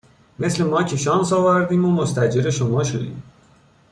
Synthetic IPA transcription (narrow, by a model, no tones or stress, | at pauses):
me̞sle̞mɒːcʰeʃɒːnsɒːvæɾd̪iːmomost̪ʰæd͡ʒeɾeʃomɒːʃo̰d̪ḭːm